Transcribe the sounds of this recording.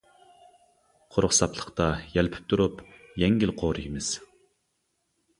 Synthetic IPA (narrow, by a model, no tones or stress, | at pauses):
qʰoɾʊχsɑpʰlˠə̥qt̪ɑjɛlpʰɪ̥p̚t̪ʰuɾup | jɛŋɡʲilqʰoːɾɨɡimɪz̥